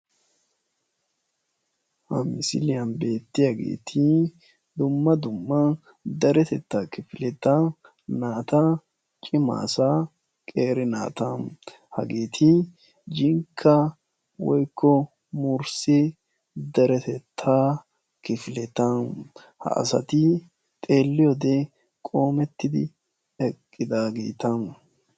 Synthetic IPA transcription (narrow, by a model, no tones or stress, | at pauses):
hɐmɪsɪ̰lɪjɐnbe̞ːt̪ːɪjaɡḛːt̪ʰɪ | d̪ʊmːɐd̪ʊmːɐ | d̪ɐɾɛt̪ɛt̪ːaːkɪfɪlɛt̪ːa | naːt̪ɐ | t͡ʃʼɪma̰ːsa | kʼeːɾɪna̰ːt̪an | hɐɡeːt̪ʰɪ | d͡ʒɪŋkʰːa | wɔjkʰːɔ | mʊɾse | d̪ɐɾɛt̪ɛt̪ʰːaː | kɪflɛt̪an | hɐ̰ʔɐ̰sɐ̰t̪ɪ | t̪ʼeːlːɪjɔd̪e | kʼo̞ːmɛt̪ːɪd̪ɪ̰ | ɛkʼːɪd̪aːɡeːt̪ɐn